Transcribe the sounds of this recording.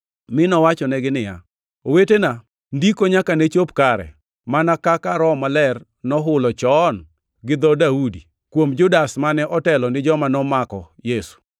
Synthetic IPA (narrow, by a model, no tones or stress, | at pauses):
mɪnɔwat͡ʃɔnɛɡɪnɪja̰ | owetena | ndikoɲakanet͡ʃopkaɾɛ̰ | manakakaɾɔmalɛr | nɔɦʊlɔt͡ʃɔn | ɡɪd̪ɔdaudi | kwomd͡ʒʊdasmanɛʔɔtɛlɔnɪd͡ʒɔmanɔmakɔ̰ | jesu̥